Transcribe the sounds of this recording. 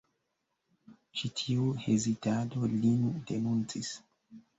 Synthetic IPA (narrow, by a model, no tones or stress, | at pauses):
t͡ʃitʰiuhezitado̞linudenunt͡sis